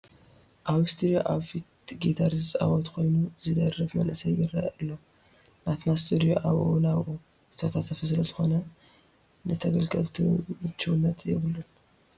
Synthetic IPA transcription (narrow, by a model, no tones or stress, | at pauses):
ʔaβst̪ʰuɾoʔaβfit̪ɡet̪ʰaɾzɨt͡sʼa̰wɔt̪kʰo̞jnuzɨd̪ɐrɨfmɐnʔɨsɐjːɪɾajʔɨlːo | nat̪nast̪ʰud̪ioʔaβʔunaβʔo | hɨ̥t̪ʰot̪ʰat̪ʰːɐfɐsɨlɐzɨxo̞nɐ | nɨt̪ʰɐɡɐlɡʼɐlt̪ʰṵɨt͡ʃːuwnːɐt̪ʰjɛβlun